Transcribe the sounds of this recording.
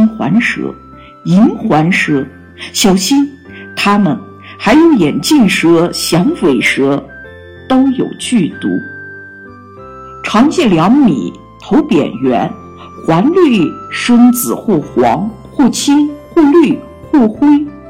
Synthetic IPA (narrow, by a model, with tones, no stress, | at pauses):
nxwa̰˧˥nʂɤ̰˧˥ | i˧˥nxwa˧˥nʂɤ˧˥ | ɕjɑ˨˩ʊɕi˥n | t̪ʰa˥mə˨˩n | xa˧˥ɪjo˧˥ʊjɛ˨˩nt͡ɕi˥˩ŋʂɤ˧˥ɕjɑ˧˥ŋfe˧˥˩ɪʂɤ˧˥ | t̪o˥ʊjo˨˩ʊt͡ɕy˥˩t̪ṵ˧˥ | ʈ͡ʂʰɑ˧˥ŋt͡ɕjɛ˥˩ljɑ˧˥ŋmḭ˨˩˦ | t̪ʰo˧˥ʊpjɛ̰˨˩nɥɛ̰˧˥n | xwa˧˥nly˥˩ʂɤ˥ŋt͡sɹ̩˨˩xwɔ˥˩xwɑ˧˥ŋ | xwɔ˥˩t͡ɕʰi˥nxwɔ˥˧ly˥˩ | xwɔ˥˩xwe˥ɪ